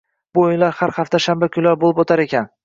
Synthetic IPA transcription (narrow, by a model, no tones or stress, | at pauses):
bʊɪnlaɾhaɾhaft̪aʃambakʲʰʊnlaɾbolˠɪpot̪ʰaɾe̞kʲʰan